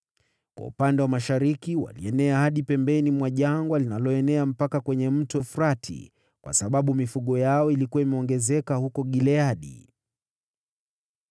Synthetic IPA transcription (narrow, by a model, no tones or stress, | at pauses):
kwa̰ṵpandɛwamaʃaɾikiwa̰lḭɛnɛahaɗipɛmbɛnimwaʄaŋɡwalinalɔɛnɛam̩pakakwɛɲɛm̩tɔfuɾatʰḭ | kwʔa̰saɓaɓumifuɠɔjaɔilikuwaimɛɔŋɡɛzɛkahukɔɠilɛaɗḭ